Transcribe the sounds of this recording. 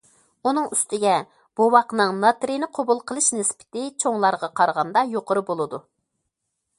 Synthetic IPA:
unɨŋyst̪ɪɡʲɛ | b̥owɑqnɨŋnɑt̪ɾinɨqʰobulˠqʰəlˠɨʃnɪspʰɪ̥t̪ɪt͡ʃʰoŋlˠɑɾʁɑqʰɑɾʁɑnd̪ɑjoqʰəɾɨbolˠɨd̪u

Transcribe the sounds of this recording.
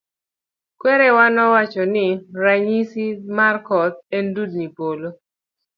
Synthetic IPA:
kwɛɾɛwanɔwat͡ʃɔnɪɾaɲisimarkɔsɛndud̚nipolo

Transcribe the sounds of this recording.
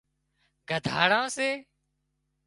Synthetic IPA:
ɡʱəd̪ʱa̰ːɽãːseː

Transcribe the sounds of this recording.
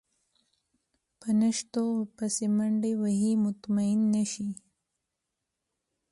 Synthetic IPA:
pənaʃt̪opasemaɳɖewaɦimʊt̪maɪnːaʃi

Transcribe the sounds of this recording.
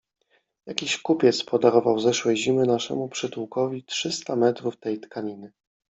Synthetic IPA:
jakʲiɕkupʲjɛt̪spɔd̪aɾɔvawzɛʂwɛjʑimɘnaʂɛ̰mupʂɘt̪uwkɔvʲitʂɘst̪amɛt̪ɾuft̪ɛjt̪kʰaɲinɘ

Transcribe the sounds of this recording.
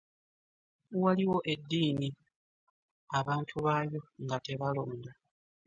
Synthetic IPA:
waliwo̞ʔe̞dːiːni | aβaːntʰuβajo̞ŋɡate̞βalo̞ːnda

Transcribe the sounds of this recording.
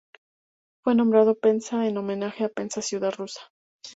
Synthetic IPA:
fwe̞nõ̞mbɾað̞o̞pe̞nsaeno̞mẽnaxeape̞nsasjuðaðrusḁ

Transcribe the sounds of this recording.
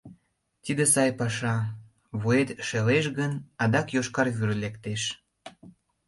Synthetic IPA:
t̪id̪esɑjpɑʃɑ | βuet̪ʃeleʃɣənɑd̪ɑkjoʃkɑrβyɾlekt̪eʃ

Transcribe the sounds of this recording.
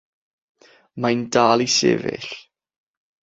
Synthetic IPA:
majndaːlˠisɪ̰vɪ̰ɬ

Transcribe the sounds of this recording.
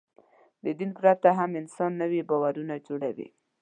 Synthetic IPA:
d̪əd̪inpɾat̪aɦamɪnsɑnːəwibɑwaɾunad͡ʒoɽawḭ

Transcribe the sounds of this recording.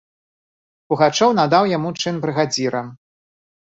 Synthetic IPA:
puɣat͡ʂɔwnad̪awjamut͡ʂɨnbɾɨɣad͡zʲiɾɐ

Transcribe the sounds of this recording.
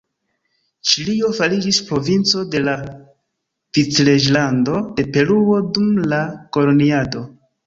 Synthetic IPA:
t͡ʃilio̞falid͡ʒispɾo̞vint͡so̞de̞la | v̥it͡sled͡ʒlando̞de̞pe̞ɾuo̞dumlako̞lo̞niado̞

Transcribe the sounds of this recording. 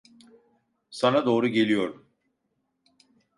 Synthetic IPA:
sanad̪o̞ːɾuɟe̞lʲijo̞ɾum

